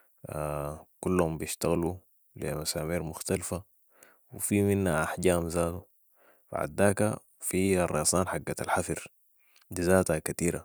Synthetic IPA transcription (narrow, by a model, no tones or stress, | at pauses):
akulːhumbijiʃt̪aɣlu | limasaːmiːɾmʊxt̪alfa | wifiminhaʔaħɟaːmzaːt̪u | ba̰ʕa̰d̪ːaːka̰ | fiɑrˤːɑsˤɑːnħaɡːata̰lħafiɾ | dizaːt̪akat̪iːɾa̰